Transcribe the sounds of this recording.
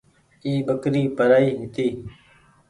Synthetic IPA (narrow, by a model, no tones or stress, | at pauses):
iːbəkɾiːpəɾaːiːɦɪt̪iː